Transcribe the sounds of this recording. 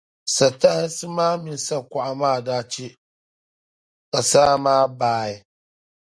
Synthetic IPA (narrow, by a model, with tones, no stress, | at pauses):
sa˨ta˦hsɨ˦maː˦mi˨n˦sa˦kʷa˨ʔa˨maː˦˨daː˦t͡ʃe˦ | ka˨saː˦maː˦baː˦ɪ˨